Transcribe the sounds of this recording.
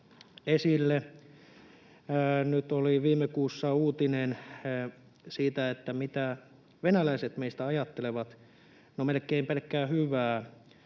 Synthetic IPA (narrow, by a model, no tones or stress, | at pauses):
esilːe | nyt̪oliʋiːmːˑekuːsːɑuːt̪inen | siːt̪æet̪ːæmit̪æ | ʋenælæiset̪meist̪æɑjɑt̪ːeleʋɑt̪ | nomelkːˑeimpelkːæːhyʋæː